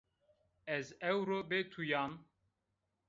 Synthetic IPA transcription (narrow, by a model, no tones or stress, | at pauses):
ɛzɛwɾoːbet̪ʰujaːm